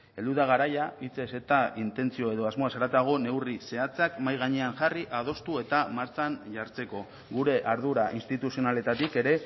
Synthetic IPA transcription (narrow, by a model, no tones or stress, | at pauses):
e̞ld̪uðaɣ̞aɾajait͡se̞se̞t̪aint̪e̞nt͡sio̞e̞ðo̞azmo̞asaɾat̪aɣ̞o̞ne̞wrise̞at͡sakmajɣ̞aɲeaŋʝariʔað̞o̞st̪ue̞t̪amaɾt͡sanʝaɾt͡se̞ko̞ | ɣuɾe̞ʔaɾðuɾaʔinst̪it̪usionale̞t̪at̪ike̞ɾe̞